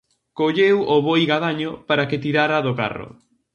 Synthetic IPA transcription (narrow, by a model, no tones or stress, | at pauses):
koʎewoβojɣaðaɲʊpaɾaket̪iɾaɾaðʊka̰rʊ̰